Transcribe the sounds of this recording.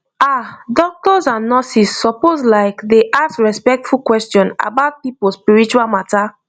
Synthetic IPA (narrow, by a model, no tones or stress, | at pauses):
adɔk̚tɔzãnːɔsisːɔpozlaɪkdeʔasɹɛspɛk̚tfulkwɛstjɔ̃na̰baʊt̚pipospiɹit͡ʃualmata